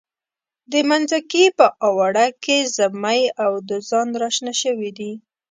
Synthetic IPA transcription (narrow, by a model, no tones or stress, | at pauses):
d̪əmanzakipəʔɑwaɽakezamajawd̪əzɑnɾɑʃnaʃəwid̪i